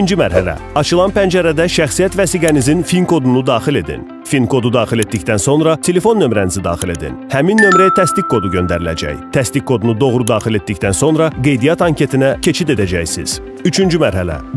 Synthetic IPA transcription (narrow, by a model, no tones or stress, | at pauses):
nd͡ʒimæɾɦæ̰læ̰ɑt͡ʃʰɯlˠɑnpʰænd͡ʒæɾæd̪æʃæxsijæt̪væsiːɡænizinfinkʰo̞d̪unud̪ɑːxile̞d̪ḭn | finkʰo̞d̪ud̪ɑːxile̞t̪d̪ict̪ænso̞nɾɑt̪ʰe̞le̞fo̞nːø̞mɾænizid̪ɑ̰ːxile̞d̪ḭnhæminːø̞mɾæt̪ʰæst̪ikʰːo̞d̪uɟø̞nd̪æɾilæ̰d͡ʒæ̰jt̪ʰæst̪ikʰːo̞d̪unud̪o̞ɣɾud̪ɑːxile̞t̪̚d̪ict̪ænso̞nɾɑɡe̞jd̪ijɑt̪ɑŋcʰe̞t̪ʰinæcʰe̞t͡ʃʰid̪e̞d̪æd͡ʒæjsḭz̥ | yt͡ʃʰynd͡ʒymæɾɦælæ̰